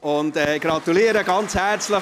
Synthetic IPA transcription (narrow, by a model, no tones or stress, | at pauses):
ʊntɛɡ̥ɾɑt̪uliəɾəɡɑnt͡shɛɾt͡slə